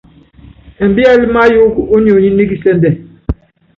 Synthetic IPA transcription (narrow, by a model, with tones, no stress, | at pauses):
ɛ˨m˨bi˦a˦li˦ma˦ju˦ko˦ni˦˨o˨ɲi˦ni˦ɡi˦sɛ˦ndɛ˨